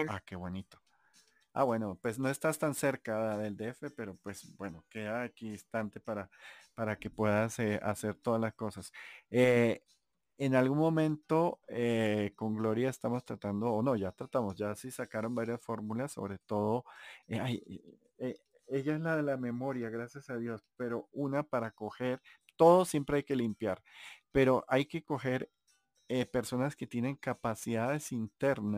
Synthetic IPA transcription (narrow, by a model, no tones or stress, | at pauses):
ake̞βwo̞nit̪o̥ | a̰βwe̞no̞pwe̞sno̞e̞st̪ast̪anse̞ɾkaðe̞ld̪eefe̞pe̞ɾo̞pwe̞sbwe̞no̞ke̞ðaːkiist̪ant̪e̞paɾapaɾake̞pwe̞ðaseʔase̞ɾt̪o̞ðalasko̞sase | enalɣunmo̞mẽ̞nt̪o̞eko̞ŋɡlo̞ɾjaest̪amo̞st̪ɾat̪and̪o̞ːno̞ʝat̪ɾat̪amo̞sʝasisakaɾo̞mbaɾjasfo̞ɾmulasːo̞̰βɾe̞t̪o̞ðo̞aj | e | eʝaezlaðe̞lame̞mo̞ɾjaɣɾasjasaðjo̞spe̞ɾo̞unapaɾako̞xe̞ɾ | t̪o̞ðosje̞mpɾe̞ajke̞limpjaɾpe̞ɾo̞ʔajke̞ko̞xe̞ɾ | epe̞ɾso̞naske̞t̪je̞ne̞ŋkapasiðaðe̞sint̪e̞ɾna